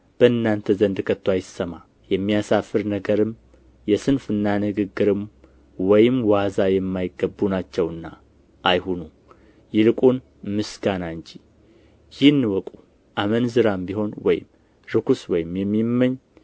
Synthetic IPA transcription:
b̥əɨnːant̪ʰəzənd̪kʰət̪ːwajɪsəma | jɛmːijasafɨɾnəɡəɾɨm | jɛsɨnfɨnːanɨɡɨɡːɨɾɨm | wɔjɪmwazajɛmːajɪɡəbːunat͡ʃːɛwɨnːa | ʔajhunu | jɪlɨkʼun | mɨsɡ̥anaɨɲt͡ʃi | jɪnːɨwɔkʼu | ʔamənzɨɾambiɦho̞nwɔjɪ̰m | ɾɨkʰuswɔjɪmjɛmːimːəɲː

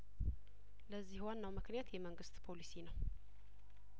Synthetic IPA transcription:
ləzːihwanːawmɨknjat̪jɛməŋɡɨst̪pʰo̞lisinəw

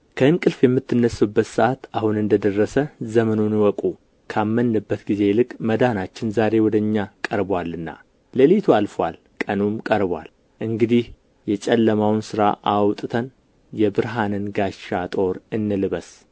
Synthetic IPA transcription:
kʰəɨŋkʼɨlfjɛmːɨt̪ːɨnːəsubːət̪sɨʔat̪ahunɨnd̪əd̪ərːəsəzəmənunwɔkʼu | kʰamːənːɨbːət̪ɡize̞lɨkʼməd̪anat͡ʃːɪnzaɾe̞wɔd̪əɲːakʼəɾbwalːɨnːa̰ | ləlit̪ʰualfwal | kʼənumkʼəɾbwa̰l | ʔɨŋɡɨd̪ih | jɛt͡ʃʼɛlːəmawnsɨɾa̰ʔawt̪ʼɨt̪ʰən | jɛbɨɾɦanənɡaʃat̪ʼo̞ɾɨnːɨlɨβəs

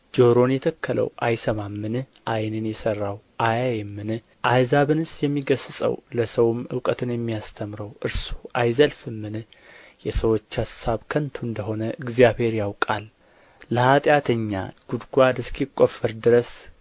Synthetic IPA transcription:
d͡ʒo̞ɾo̞njɛt̪ʰəkʰːələ̰wʔajsəmamːɨn | ʔajnɨnjɛsərːawʔajajɛmːɨn | ʔajzaβɨnɨsjɛmːiɡəsɨsʼə̰wləsəwmɨ̰wkʼət̪ʰɨnjɛmːijast̪ʰəmɾəwʔɨɾsu̥ʔajzəlfɨmːɨn | jɛsəwo̞t͡ʃːhasaβkʰənt̪ʰuɨnd̪əɦo̞nəʔɨɡzijaβhe̞ɾjawkʼalː | əhat̪ʼjat̪ʰəɲːa̰ɡ̥ud̪ɡʷad̪ɨskʰikʼːo̞fːəɾd̪ɨɾəs

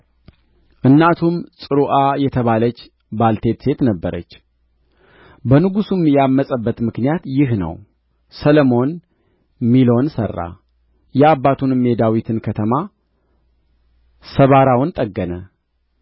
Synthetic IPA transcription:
ʔɨnːat̪ʰumsʼɨɾuʔajɛt̪ʰəβalət͡ʃː | balt̪ʰe̞t̪se̞t̪nəbːəɾə̰t͡ʃː | bənɨɡusumjɛamːəsʼəbːət̪mɨknijat̪jɪɦnə̰w | sələmo̞n | milo̞nsə̰rːa̰ | jɛabːat̪ʰunme̞d̪awit̪ʰɨnkʰət̪ʰəma | səβaɾawnt̪ʼəɡːənə

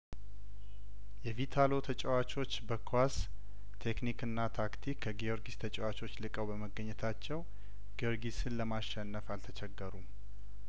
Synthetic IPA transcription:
jɛvit̪ʰalo̞t̪ʰət͡ʃʼɛwat͡ʃʼo̞t͡ʃːbəkʰas | t̪ʰe̞knikɨnːat̪ʰakt̪ʰikʰːəɡio̞ɾɡist̪ʰət͡ʃʼɛwat͡ʃʼo̞t͡ʃːlɨkʼəwbəməɡːəɲːɛt̪ʰat͡ʃːɛw | ɡ̥io̞ɾɡisɨnləmaʃɛnːəfalt̪ʰət͡ʃʰɛɡːəɾum

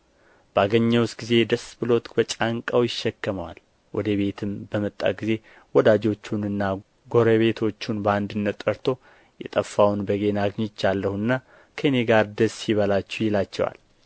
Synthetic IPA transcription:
b̥əaɡəɲːəwsɡize̞d̪əsbɨlo̞t̪bət͡ʃʼaŋkʼawjɪʃːɛkːəməwa̰l | wɔd̪əβe̞t̪ʰɨmbəmət̪ʼːa̰ɡize̞ | wɔd̪ad͡ʒo̞t͡ʃːunɨnːa | ɡo̞ɾəβe̞t̪ʰo̞t͡ʃːunbəand̪ɨnːət̪ʼːəɾt̪ʰo̞ | jɛ̰t̪ʼəfːawnbəɡenaɡɲɪt͡ʃːjalːəhuɨnːa | kʰəneɡaɾd̪əsːiβəlat͡ʃːɛwjɪlat͡ʃːɛ̰wa̰l

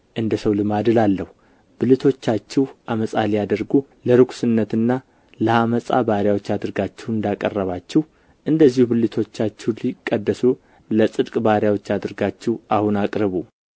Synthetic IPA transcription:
ʔɨnd̪əsəwlɨmad̪ɨlalːəhu | b̥ɨlɨt̪ʰo̞t͡ʃːat͡ʃːɛwʔaməsʼalijad̪əɾɡu | ləɾɨkʷʰʼsɨnːət̪ɨnːa | ləhaməsʼa̰baɾjawo̞t͡ʃːad̪ɨɾɡat͡ʃːɛwɨnd̪akʼərːəβat͡ʃːɛh | ʔɨnd̪əzːihubɨlːɨt̪ʰo̞t͡ʃːat͡ʃːɛwlikʼːəd̪ːəsu | ləsʼɨd̪kʼbaɾjawo̞t͡ʃːad̪ɨɾɡat͡ʃːɛwʔahunakʼɾɨβu

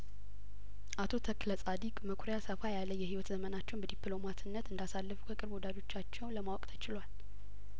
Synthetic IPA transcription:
ʔat̪ʰo̞t̪ʰəkləsʼad̪ikʼməkʰuɾəjasəfajalːəjːɛhiwɔt̪zəmənat͡ʃːɛwnbəd̪iplo̞mat̪ɨnːət̪ɨnd̪asalːəfukʰəkʼɨɾbɔd̪ad̪o̞t͡ʃːat͡ʃːɛwnləmawɔkʼt̪ʰət͡ʃɪlwal

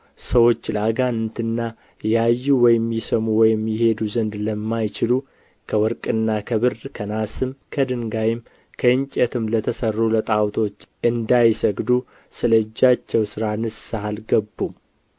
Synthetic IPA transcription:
səwo̞t͡ʃːlaɡant̪ʰɨnːa | jajːuwɔjɪmːisəmuwɔjɪmjɪhe̞d̪uzənd̪ləmːajt͡ʃɪlu | kʰəwɔɾkʼɨnːakʰəβɨrkʰənasɨmkʰəd̪ɨŋɡajɪm | kʰəɨɲt͡ʃʼɛt̪ʰɨmlət̪ʰəsərːulət̪ʼawt̪ʰo̞t͡ʃːɨnd̪ajsəɡd̪u | sɨləd͡ʒːat͡ʃːɛwsɨɾanɨsahalɡəbːum

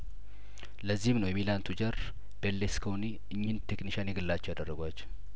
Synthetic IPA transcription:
ləzːihmnəwjɛmilant̪ʰud͡ʒəɾ | b̥elːeskʰowni | ɨɲːɪnt̪ʰekniʃanjɛɡɨlːat͡ʃːɛwjad̪ərːəɡʷat͡ʃː

